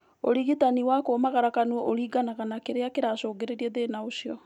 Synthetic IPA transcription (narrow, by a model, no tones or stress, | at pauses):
o̰ɾiɣitaniwakoːmaɣaɾakanuɔʔoɾiːɡanaɣanakeɾeakeɾasɔːɡeɾeɾiɛðenaoʃiɔ